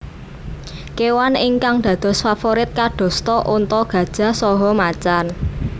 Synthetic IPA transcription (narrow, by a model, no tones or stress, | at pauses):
kewanɪŋkaŋɖ̪̥ä̤d̪̥ɔ̤sfafoɾɪt̪̚kaɖ̥ɔ̤st̪ɔʔunt̪ɔɡ̥ä̤d̥ʒ̥ä̤sɔɦɔmat͡ʃan